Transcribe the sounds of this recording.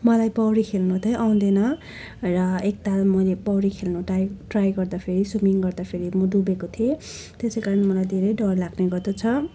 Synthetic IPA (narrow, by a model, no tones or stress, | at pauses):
mʌlajpʌwɾikʰelnut̪ʰʌjʔaw̃d̪ʌnʌ | rʌek̚t̪almʌlepʌwɾikʰelnuʈajʈrajɡʌrd̪apʰeɾisumiŋɡʌrd̪apʰeɾimʌd̪ubekot̪ʰie | t̪esejkaɾʌnmʌlajd̪ʱeɾʌjɖʌrlaɡneɡʌrd̪ʌt͡sʰʌ